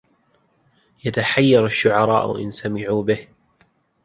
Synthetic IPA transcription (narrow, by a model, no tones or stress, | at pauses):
jat̪aħajːɑɾˤaʃːʊʕɑɾˤɑ̰ːʔʊ̰ʔɪ̰nsamɪʕuːbɪh